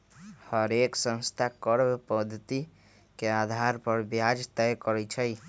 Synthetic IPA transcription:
həɾeksə̃nst̪ʰakəɾbepəd̪ʱːət̪i | kead̪ʱaɾpəɾbjad͡ʒt̪ɛjkəɾɛt͡ʃʰəj

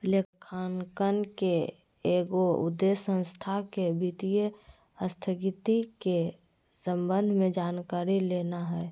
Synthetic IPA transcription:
lekkʰaːnkənke | eːɡoʊ̰d̪ːesːə̃nst̪ʰakebit̪ijə | əst̪ʰəɡit̪ike | sə̃mbənd̪ʱmẽd͡ʒaːnkaːɾileːnaɦɛː

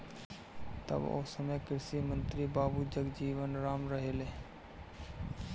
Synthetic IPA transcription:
t̪ə̰bo̰ːsəmekɪɾsimə̃nt̪ɾibaːbud͡ʒəɡd͡ʒiːʋənɾaːmɾəɦeːleː

